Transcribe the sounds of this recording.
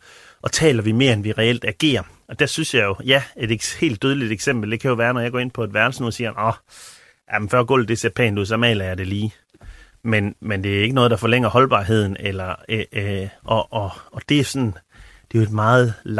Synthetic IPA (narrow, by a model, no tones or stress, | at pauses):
ʔɒ̽t͡sʰɛ̰ːlɐʋime̝ːɐenʋiʁɛel̰d̥æɡ̥e̝̰ːɐʔɒ̽d̥æɐsynsjɑ̈ɪjo̝jæe̝d̥ehe̝̰ːld̥øːð̞ˠəlid̥eɡ̥sem̰b̥l̩d̥e̝kʰæjo̝ʋæːɐnɒjɑ̈ɡɒ̰ːe̝n̰pʰɒ̽ed̥ʋæɐl̩sənoð̰ˠsiːɐnʔɒ | jʔæmnfɶɐɡ̥ɔ̰ːl̩d̥e̝se̝ɐpʰɛ̰ːnduð̞̰ˠsɒ̽mɛ̰ːlɐjɑ̈ɪd̥e̝liː | menmend̥e̝æɐe̝ɡ̥ənɔ̽ːðˠd̥ɑ̈fɒ̽leŋ̰ɐhɒ̽lb̥ɑ̰̈ːɦe̝ð̞̰ˠn̩elɐeʔɒʔɒɒ̽d̥e̝æsɒ̽n | d̥e̝joe̝d̥mɑ̈ːð̩ˠl